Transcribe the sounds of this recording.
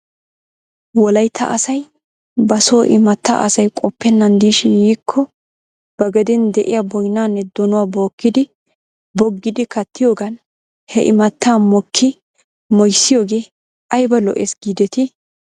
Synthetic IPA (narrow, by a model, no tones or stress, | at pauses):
wɔlɐjt̪ʰːɐ̰ʔɐsɐj | bɐsoːʔɪmɐt̪ːa̰ʔɐsɐjkʼɔpːɛnːɐnd̪iːʃɪnjiːkʰːɔ | b̥ɐɡɐd̪ɛnd̪ɛʔɪjabɔjnːaːnːɛd̪ɔnʊwaːbo̞ːkːɪd̪ɪ | bɔɡːɪd̪ɪkɐt̪ːɪjo̞ːɡɐn | hɛ̰ʔɪmɐt̪ːaːmɔkʰːɪ | mɔjsːɪjo̞ːɡe̞ː | ɐjbɐlɔ̰ʔeːsɡiːd̪ɛt̪ɪ